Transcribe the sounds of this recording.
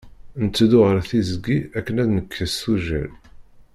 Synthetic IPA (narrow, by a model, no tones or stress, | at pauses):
nət͡sːd̪ʊʁəɾθizəɡiækːənæðnəkʰːəsuʒæ̰l